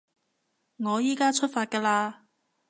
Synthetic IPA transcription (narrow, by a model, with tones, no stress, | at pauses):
ŋɔː˨˧jiː˨˥kaː˥t͡ʃʰɵ˥t̚faː˧t̚kɛː˧laː˧